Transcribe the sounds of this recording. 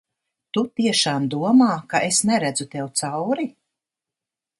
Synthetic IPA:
t̪ut̪iɛʃaːmd̪uɔmaːkaʔesnɛɾæd̪zut̪ɛwt̪sawɾi

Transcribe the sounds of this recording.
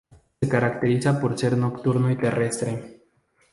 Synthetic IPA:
ekaɾakt̪e̞ɾisapoɾt͡ʃeɾnokt̪uɾnojt̪e̞re̞st̪ɾe

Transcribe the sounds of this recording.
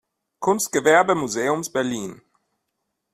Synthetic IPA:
kʰʊnst̚ɡ̥əvɛɐbəmuzeːʊmsb̥ɛɐliːn

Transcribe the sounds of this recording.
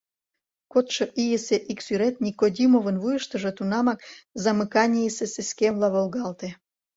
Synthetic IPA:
kot̪ʃɤ̆ʔijeseʔiksyɾet̪nʲikod̪ʲimovənvujəʃt̪ə̆ʒɤ̆t̪unɑmɑkzɑmɨkɑnʲijeseseskemlɑβolɣɑlt̪e

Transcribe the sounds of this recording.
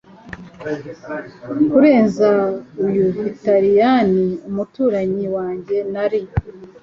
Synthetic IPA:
kuɾe̞ːnzaujuvitaɾijaniumutuːɾaɲiwaːɲɟe̞naɾi

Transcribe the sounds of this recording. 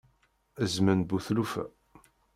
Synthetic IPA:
əzmənbuθlufæ̰

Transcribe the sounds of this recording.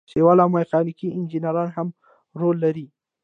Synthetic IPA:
sewɑlawmajqɑnikiʔɪnd͡ʒinaɾɑnham | ɾolːaɾi

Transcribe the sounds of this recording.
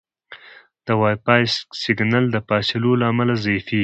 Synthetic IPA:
d̪̥əwajpɑjssɪɡnald̪əpɑselolaːmalazafi

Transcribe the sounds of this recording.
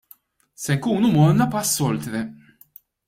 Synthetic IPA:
sɛŋkuːnumɔnːɐpɐsːɔlt̪ɾɛ

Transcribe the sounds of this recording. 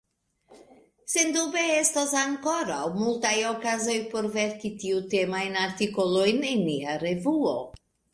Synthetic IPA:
se̞ndube̞estasaŋko̞ɾawmultajo̞kazo̞jpo̞ɾve̞ɾkitiute̞majnaɾtiko̞lo̞jnenːiaɾe̞vuo̰

